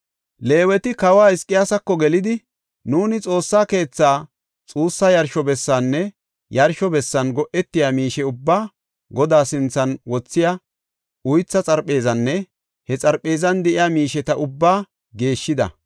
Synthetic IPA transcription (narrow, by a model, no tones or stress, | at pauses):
le̞ːwɛt̪ɪkɐwaːɪskʼːɪjaːsɐkːɔɡɛlɪd̪ɪ | nuːnɪt͡sʼo̞ːsːaːke̞ːt͡sːaː | t͡sʼuːsːaːjɐɾʃɔbɛsːaːnːɛ | jɐɾʃɔbɛsːɐnɡɔʔɛt̪ːɪjaːmiːʃɛʊbːaː | ɡɔd̪aːsɪnt͡sːɐnwɔt͡sːɪja | ʊjt͡sːɐt͡sʼɐɾpʼːe̞ːzɐnːɛ | hɛt͡sʼɐɾpʼːe̞ːzɐnd̪ɛʔɪjaːmiːʃɛt̪ɐʔʊbːaː | ɡe̞ːʃːɪd̪ɐ̰